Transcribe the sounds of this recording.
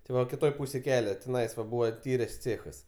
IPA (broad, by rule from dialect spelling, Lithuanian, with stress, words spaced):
tʲɪ ˈʋɐ kʲɪˈtoːj ˈpuːsʲeːj ˈkʲæːlʲɛ tʲɪˈnɐɪs ʋɐ ˈbuːʋɐ ˈtʲiːrʲeːs ˈt͡sʲeːxɐs